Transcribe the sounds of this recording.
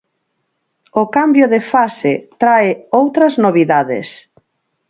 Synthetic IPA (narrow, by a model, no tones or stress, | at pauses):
ʊkambjʊðefasɪt̪ɾaɪowt̪ɾɐznoβiðaðɪ̰s